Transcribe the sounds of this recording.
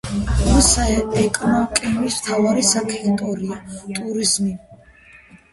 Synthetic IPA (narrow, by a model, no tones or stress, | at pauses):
asaɛkʼɔnɔmkʼɛmismt̪ʰavaɾisakʰit̪ʼɔɾiat̪ʼuɾizmi